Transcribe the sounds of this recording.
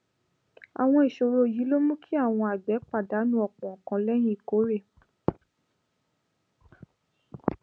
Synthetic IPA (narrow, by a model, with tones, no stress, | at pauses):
a̰˨w̃ɔ̃˧i˨ʃo˧ɾo˧˨ji˨˦lo˦mũ˦kʰi˦a˦˨w̃ɔ̃˧a˨ɡ͡bɛ˨˦k͡pa˦˨da˨˦nũ˦ɔ˨k͡pɔ̃˨kã˧lɛ˦j̃ĩ˦i˨ko˨˦ɾe˦˨